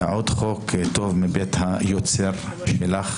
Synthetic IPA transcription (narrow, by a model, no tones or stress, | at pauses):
ʕod̪χokt̪ovmibet̪hajot͡seʁʃelaχ